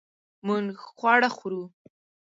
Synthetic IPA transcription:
muŋχwɑɽaxuɾu

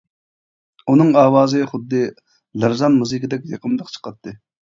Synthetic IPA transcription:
unɨŋɑːwɑːzɨχʊd̪ːɨ | læɾzɑnmuzɨkʲid̪ɛkʲjɑqʰəmd̪ˠəqt͡ʃʰə̥qʰɑt̪ʰːɨ

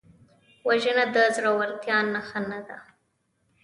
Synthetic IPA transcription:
waʒənad̪əzɾawaɾt̪jɑnːaxanad̪a

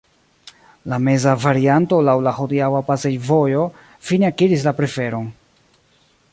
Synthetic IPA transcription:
lame̞zavaɾianto̞lawlahodiawapase̞jvo̞jo̞ | fineakiɾis̬lapɾe̞fe̞ɾo̞n

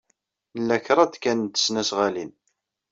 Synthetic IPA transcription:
lːæçɾˤɑd̪kænt̪ːə̥snæsʁalin

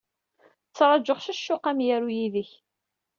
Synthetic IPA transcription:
t͡sːɾˤɑd͡ʒəχʃæʃːʊqæmjæɾujiðəç

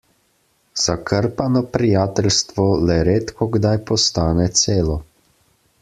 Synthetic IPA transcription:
z̥akʰəɾpanɔpɾijaːt̪ɛlst̪ʋɔlɛɾeːt̪kʰɔɡd̪ajpɔst̪aːnɛt̪seːlɔ

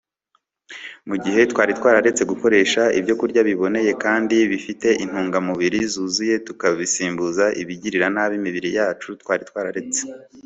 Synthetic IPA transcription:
muɟihe̞twaːɾitwaːɾaɾe̞t͡se̞ɡuko̞ɾe̞ːʃaḭbjo̞kuɾɟaβiβo̞ne̞je̞kaːndiβifite̞ʔin̥huːŋɡamuβiɾizuːzuje̞tukaβisiːmbuzaʔiβiɟiɾiɾanaβimiβiɾijaːt͡ʃutwaːɾitwaːɾaɾe̞t͡se̥

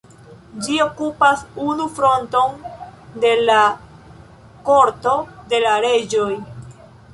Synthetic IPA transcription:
d͡ʒio̞kupasunufɾo̞nto̞nde̞la | ko̞ɾto̞de̞laɾe̞d͡ʒo̞j

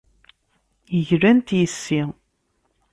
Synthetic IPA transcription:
jəʝɾænt̪jəsːi

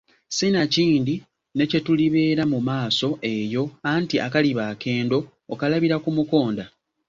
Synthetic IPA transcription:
sinaciːndi | ne̞ce̞tuliβe̞ːɾamumaːso̞ʔe̞jo̞antiʔa̰kaliβaːke̞ːndo̞ː | kalaβiɾakumuko̞ːnda

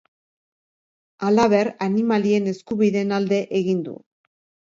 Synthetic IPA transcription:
alaβ̞e̞ɾanimalie̞ne̞skuβiðe̞nald̪e̞ʔeɣind̪ṵ

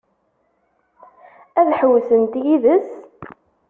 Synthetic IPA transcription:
æðħəwsənt̪jiðəs

